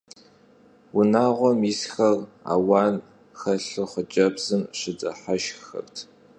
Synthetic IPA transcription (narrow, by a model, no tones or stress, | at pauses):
wʊnaːʁʷɔmisxɐra̰ːwɑːn | xɐɬɨχʷət͡ʃʼɐbz̥ɨmɕɪd͡zʼɐħaʃxɐ̰rtʰ